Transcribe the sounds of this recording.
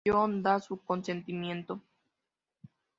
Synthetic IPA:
ond̪asukonsent̪imjent̪o

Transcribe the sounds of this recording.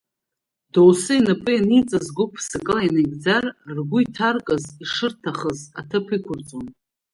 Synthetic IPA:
dowsɨinapʼɨanit͡sʼazɡʷʊpʰsɨkʼɨlajnaɡʲd͡zarrɡʷʊitʰarkʼaziʂɨrtʰaχəzatʰapʰikʷʊrt͡sʼon

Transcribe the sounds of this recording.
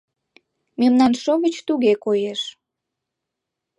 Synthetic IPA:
memnɑnʃoɣət͡ɕt̪uɣekojeʃ

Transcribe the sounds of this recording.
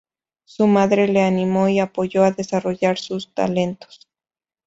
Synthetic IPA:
sumaðɾe̞le̞animo̞iapoʝo̞aðe̞saro̞ʝaɾsust̪a̰le̞nt̪o̥s

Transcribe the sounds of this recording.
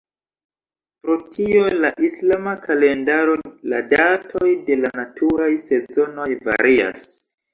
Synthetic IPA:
pɾo̞tʰio̞laʔislamakʰale̞ndaɾo̞la̰datʰojde̞lanatʰuɾajse̞zo̞no̞jva̰ɾia̰s

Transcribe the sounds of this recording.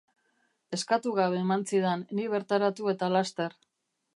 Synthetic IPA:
e̞skat̪uɣaβe̞ːmansiðenːiβ̞e̞ɾt̪aɾat̪ue̞t̪alast̪e̞r

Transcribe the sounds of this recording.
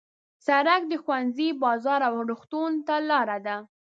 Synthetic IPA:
saɾak̚d̪əxwanzibɑzɑɾawɾuxt̪unt̪alɑɾad̪a

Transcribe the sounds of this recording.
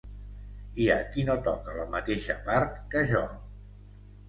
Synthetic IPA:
iəkinot̪ɔkələmət̪eʃəpaɾt̪kəʒɔ

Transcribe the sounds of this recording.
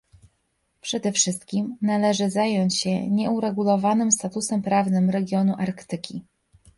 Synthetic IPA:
pʂɛd̪ɛfʂɘst̪kʲimnalɛʐɘzajɔɲt͡ɕɕɛ̰ɲɛuɾɛɡulɔvanɘmst̪at̪usɛmpɾavnɘmɾɛɡʲjɔnuʔaɾkt̪ɘkʲi

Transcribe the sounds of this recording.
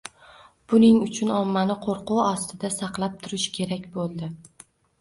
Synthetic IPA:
b̥ʊnɪŋʊt͡ʃʰʊnɒmːanɪqʰoɾqʊwɒst̪ɪd̪asɑqlˠap̚t̪ʰʊɾɪʃkʲʰe̞ɾakʲbolˠd̪ɪ

